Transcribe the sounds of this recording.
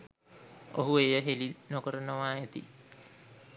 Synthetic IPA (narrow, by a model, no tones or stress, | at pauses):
oɦueːjəɦelinokəɾənəʋaːɛt̪ḭ